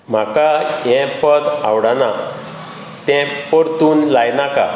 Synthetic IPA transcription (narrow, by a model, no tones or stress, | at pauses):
m̤akajɛ̃pəd̪awɽana | t̪ɛ̃pəɾt̪uːnlajnaka̰